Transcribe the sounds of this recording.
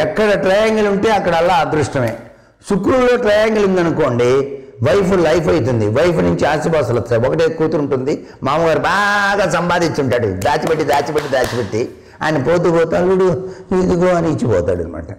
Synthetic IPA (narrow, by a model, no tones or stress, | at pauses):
ɛkːɐɽɐʈɾɐjaːŋɡuluɳʈe̞ːɐkːɐɽɐɛlːaːd̪ɾuʂʈɐmeː | sukɾulːoːʈɾɐjaːŋɡulund̪ɐnuko̞ːɳɖi | ʋɐjpulɐjpɐjt̪̬und̪iʋɐjpunuɲt͡ʃiaːsibɐːsɐlɐt̪ːaɔkɐʈeːkuːt̪uɾuɳʈund̪i | maːmuɡaːɾibaːɡaːsɐmpaːd̪iɲt͡ʃuɳʈaːɽud̪aːt͡ʃibɐʈːid̪aːt͡ʃipɐʈːid̪aːt͡ʃipɐʈːi | a̰ːjinɐpoːd̪uboːt̪ɐlːuɽuid̪uɡoːɐniːt͡ʃːipɔ̰ːt̪a̰ːɽɐ̰nḭma̰ːʈɐ